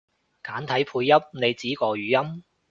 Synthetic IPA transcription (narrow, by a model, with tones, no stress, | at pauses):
kaː˨˥nt̪ʰɐ˨˥jpʰuː˧jːɐ˥p̚ne˨˧jt͡siː˨˥kɔː˧ɥyː˨˧jɐ˥m